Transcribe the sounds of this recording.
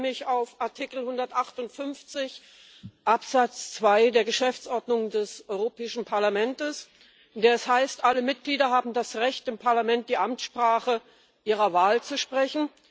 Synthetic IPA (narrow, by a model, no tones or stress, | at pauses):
mɪçaʊfʔaɐtʰikl̩hʊndɐtʔaχtʊntfʏnft͡sɪç | ʔapz̥at͡st͡sv̥aɪdeːɐɡəʃɛft͡sʔɔɐdnʊŋdɛsʔɔʏʁopɛːɪʃn̩pʰaɐlamɛntəs | ʔɪndeːɐɛshaɪstʔaləmɪt̚ɡ̥liːdɐɦaːbm̩dasʁɛçtɪmpʰaɐlamɛnt̚d̥iːʔamtʃpʁ̥aːχə | ʔiːʁ̞ɐvaːlt͡suʃpʁ̥ɛçn̩